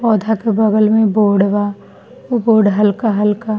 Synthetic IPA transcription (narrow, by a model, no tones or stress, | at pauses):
pɔːd̪ʱakebɐɡəlmẽboːɖʋa | oboːɖɦɐlkaɦɐlka